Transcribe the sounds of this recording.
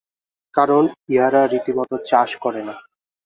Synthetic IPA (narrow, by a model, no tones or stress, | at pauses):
kaɾoniɦaɾaɾit̪imɔt̪ot͡ɕaʃkɔɾena